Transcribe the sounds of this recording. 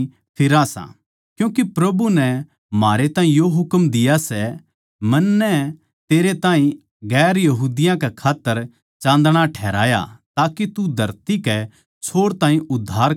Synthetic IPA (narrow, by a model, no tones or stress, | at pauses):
pʰɪɾãsã̰ | kjũːkipɾɐbunɛ | maːɾet̪aːɦĩjoɦʊkmd̪ɪjasɛ | mɐnːɛ | t̪eːɾet̪ãːɦĩ | ɡɛːɾjɐɦuːd̪ɪjãkɛkʰaːt̪ːəɾ | t͡ʃãːnd̪ɽ̃aʈʰɛːɾa̰ːja̰t̪aːkit̪ud̪ʱɐɾt̪ikɛ | t͡ʃʰoːɽt̪ãːɦĩʔʊd̪ʱːaːɾ